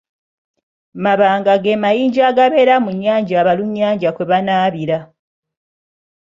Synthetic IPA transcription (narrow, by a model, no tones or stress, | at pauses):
maβaːŋɡaɡemajiːɲɟaːɡaβe̞ːɾamuɲːaːɲɟaːβaluɲːaːɲɟakweβanaːβiɾa